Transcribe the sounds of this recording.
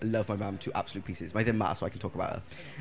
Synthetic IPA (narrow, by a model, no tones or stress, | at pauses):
lʌvmaɪmãmtʰʉːʔa̰b̥səlʉːˑt̚pʰiˑsɪzmaɪðɪ̃nma̰səʊaɪkʰn̩tʰɔˑkəbaʊt̚hə̰